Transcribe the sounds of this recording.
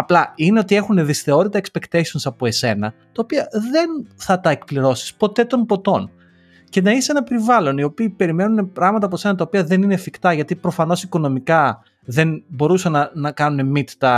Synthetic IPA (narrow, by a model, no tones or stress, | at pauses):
ɐplɐineo̞t̪ie̞xune̞ðisθe̞o̞ɾit̪ɐekspe̞kt̪eso̞nsɐpo̞e̞se̞nɐt̪ɐopiɐðe̞nθɐt̪ɐekpliɾo̞si̥spo̞t̪e̞t̪o̞mpo̞t̪o̞n | ce̞nɐisee̞nɐpe̞ɾivɐlo̞nio̞piːpe̞ɾime̞nune̞pɾɐɣmɐt̪̬ɐpose̞nɐt̪ɐopiɐðe̞nine̞fikt̪ɐʝɐt̪ipɾo̞fɐno̞siko̞no̞mikɐ | ðe̞nbo̞ɾusɐnɐnɐkɐnune̞mit̪t̪ɐ